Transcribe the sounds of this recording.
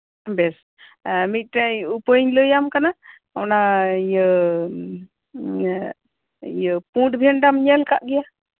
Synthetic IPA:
bɛs | mit̪̚ˀʈajupəɲləjamkana | ɔnajə | jəpũʈbʱɛnɖamɲɛlkaʔɡɛja

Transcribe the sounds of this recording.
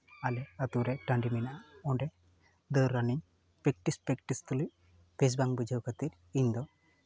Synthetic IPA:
alɛat̪uɾɛʈãɳɖiminaɔɳɖɛ | d̪əɾːaniɲ | pɾek̚ʈispɾekʈist̪uluj | pes̬baŋbud͡ʒʱəwkʰat̪iɾ | iɲd̪ɔ

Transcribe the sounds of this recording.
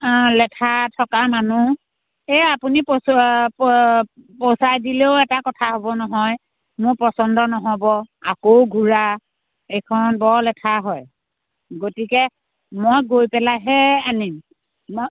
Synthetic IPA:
lɛtʰatʰɔkamanu | eapunip | posajdileʊɛtakɔtʰaɦobɔnɔɦɔj | mʊɹpɔsɔndɔnɔɦɔbɔakowɡʱuɹa | ejkʰɔnbɔɹlɛtʰaɦɔj | ɡotikɛ | mojɡojpɛlaɦɛanim | m

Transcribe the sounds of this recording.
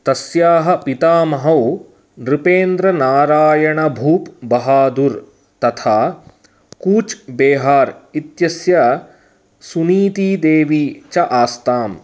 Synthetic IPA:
t̪ɐsjaːɦɐ̆pit̪aːmɐɦɐw | nɾipeːnd̪ɾɐnaːɾaːjɐɳɐbʱuːpbɐɦaːd̪uɾ | t̪ɐt̪ʰaː | kuːt͡ʃbeːɦaːɾit̪jɐsja | suniːt̪iːd̪eːʋit͡ʃɐʔaːst̪aːm

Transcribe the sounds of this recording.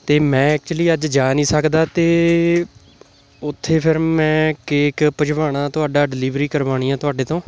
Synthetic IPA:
t̪eːmɛ̃ːɛːk̚t͡ʃʊliːəd͡ʒd͡ʒaːnĩːsəkd̪aːt̪eː | ʊt̪ʰːeːpʰɪɾmɛ̃ːkeːkpəd͡ʒʋaːɳaːt̪ʊaːɖaːɖɪliːʋɾiːkəɾʋaːɽ̃iːaːt̪ʊaːɖeːt̪õː

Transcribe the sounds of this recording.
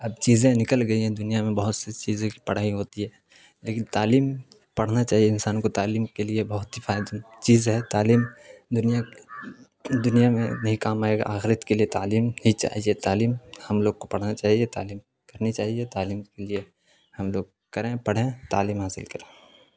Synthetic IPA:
ɐb̚t͡ʃiːzẽnɪkəlɡɐiɦɛ̃d̪ʊnijamẽbɐɦʊt̪set͡ʃiːzẽkipɐɽ̤aːiɦoːt̪iɦɛː | leːkɪnt̪aːliːm | pɐɽ̤nat͡ʃaːɦijeɪnsaːnõkot̪aːliːmkeliebɐɦʊt̪ɦifaːɪd̪t͡ʃiːzɦɛt̪aːliːmd̪ʊnija | d̪ʊnijamḛ̃nɐɦĩkaːmaːeɡa̰ʔa̰ːxɪɾət̪keliet̪aːliːmhit͡ʃa̰ːɦiet̪aːliːmhɐmloːɡkopɐɽ̤nat͡ʃaːɦiet̪a̰ːliːm | kɐɾnit͡ʃaːɦiet̪aːliːmkelie | hɐmloːɡ̚ | kɐɾẽpɐɽ̤ẽt̪aːliːmɦaːsɪlkɐɾẽː

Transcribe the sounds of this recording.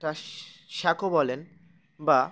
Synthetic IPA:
ʈaʃakʰobɔlen | ba

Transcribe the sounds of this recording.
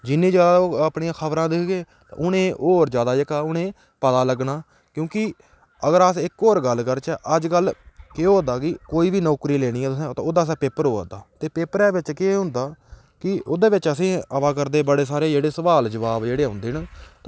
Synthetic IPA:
d͡ʒɪnːĩːd͡ʒaːd̪aːoːəpɳiãːkʰəbɾãːd̪ɪkʰɡeːt̪ã̰ːʔʊnẽːʔoːɾd͡ʒjaːd̪aːd͡ʒɪkaːʊnẽː | pət̪aːləɡnaː | kjõːkɪ | əɡəɾsɪkoːɾɡəlːkəɾt͡ʃɛːʔəd͡ʒɡəlkeɦoːnd̪aːkɪkoːiːʋiːnɔːkɾiːleːɽ̃ĩːɛːt̪ʊsẽːt̪ːoːd̪aːs̬ɛːpeːpəɾɦoːa̰d̪aːt̪eːpeːpəɾɛːʋɪt͡ʃkɪɦʊ̃nd̪aː | kɪoːd̪eːʋɪt͡ʃəsĩːəʋaːk̬əɾd̪eːbəɽeːsaːɾeːd͡ʒeːɽeːsəʋaːld͡ʒəʋaːbd͡ʒeːɽeːɦʊ̃nd̪iːnt̪ː

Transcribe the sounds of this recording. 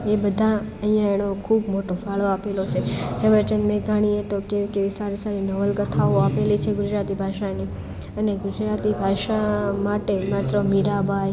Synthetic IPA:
ebəd̪ʱaəɦijãeɽ̃okʰubmoʈofaɭoapelot͡ʃʰed͡ʒəʋəɾt͡ʃənmeɡʱaɽ̃iet̪okekeʋisaɾisaɾinəʋəlɡət̪ʰaoapelit͡ʃʰeɡʊd͡ʒɾat̪ibʱaʃani | əneɡʊd͡ʒɾat̪ibʱaʃamaʈemat̪ɾəmiɾabʱaj

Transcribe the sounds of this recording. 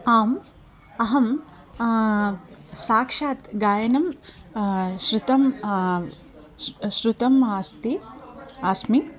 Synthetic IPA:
aːm | ɐɦɐm | saːkʂaːt̪ɡaːjɐnɐm | ʃɾut̪ɐm | ʃɾut̪ɐmaːst̪i | aːsmi

